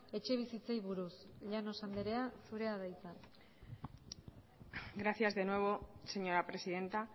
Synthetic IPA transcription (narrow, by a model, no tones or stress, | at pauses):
e̞t͡ʃe̞β̞isit͡se̞jβuɾusʎano̞sand̪eɾe̞asuɾe̞að̞ajt͡sa | ɡɾaθjazðe̞nwe̞β̞o̞se̞ɲo̞ɾapɾe̞siðe̞nt̪a